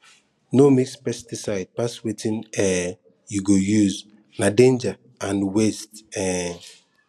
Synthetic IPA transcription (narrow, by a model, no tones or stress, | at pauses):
nomikspɛstisaɪd̚paswetʰĩnɛ | juɡojuz | nadẽnd͡ʒa | ãnwestɛ